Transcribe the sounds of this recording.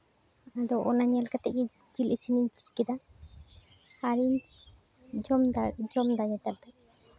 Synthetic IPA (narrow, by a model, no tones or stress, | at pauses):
ad̪ɔʔɔ̰naɲɛlkat̪ɛʔ̚ɡɛ | d͡ʒilisiniɲt͡ʃitkɛd̪a | aɾiɲ | d͡ʒɔmd͡ʒɔmd̪aɲɛt̪aɾ̚d̪ɔ